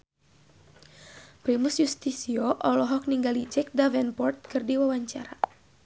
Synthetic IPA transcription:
pɾimusjust̪isiɔʔɔlɔɦɔk̚niŋɡalid͡ʒɛk̚davɛnpɔrt̪̚kɨrdiwawaɲt͡ʃaɾa

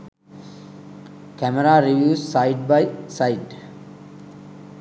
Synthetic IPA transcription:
kæməɾaːɾiʋjuːssaɪɖ̚baɪsaɪɖ

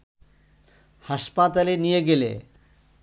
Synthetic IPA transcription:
haʃpat̪alenijeɡelḛ

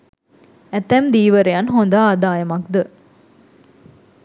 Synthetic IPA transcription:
ɛt̪ːɛmd̪iːʋɐɾejɐnɦond̪aːd̪aːjɐmɐkd̪ə

